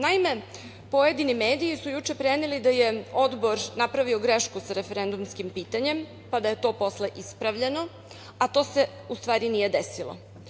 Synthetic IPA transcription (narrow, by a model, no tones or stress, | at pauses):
naime̞ | po̞je̞d̪inimeːd̪iisujut͡ʃe̞pɾenilid̪aje̞o̞d̪bo̞ɾnapɾaʋioɡɾeʃkusaɾefeɾe̞nd̪umskimpiːt̪aɲem | pad̪aje̞t̪o̞ːpo̞sle̞ʔispɾaʋʎe̞no̞ | at̪o̞ːse̞ | ust̪ʋaːɾinije̞d̪esilˠo̰